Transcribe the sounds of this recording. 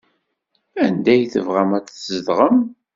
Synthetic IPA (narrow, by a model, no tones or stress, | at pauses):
ænd̪æjθə̰vʁæmæt͡szəðʁəm